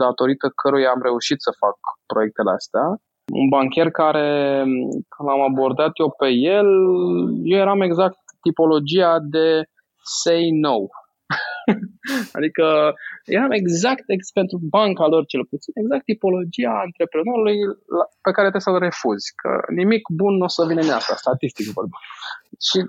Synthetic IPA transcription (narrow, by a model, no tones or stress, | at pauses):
d̪at̪o̞ɾit̪əkʰəɾujaːmɾe̞uʃit̪səfak̚pɾo̞je̞k̚t̪e̞lea̰st̪ea | ṵnbaŋkʲe̞rkaɾe̞ | knamabo̞rd̪at̪jewpe̞jel | jewje̞ɾame̞ɡzak̚t̪ːipo̞lo̞d͡ʒiad̪e̞ | se̞jno̞w | a̰d̪ikəjeɾame̞ɡzakt̪eɡpe̞nt̪ɾubaŋkalo̞rt͡ʃe̞lput̪sine̞ɡzak̚t̪ːipo̞lo̞d͡ʒiaɨnt̪ɾe̞pɾeno̞ɾulujape̞kaɾe̞t̪esəre̞fuzʲkʰə̰nimikbunːosəvinenast̪a̰st̪at̪ist̪ikvorbiʃi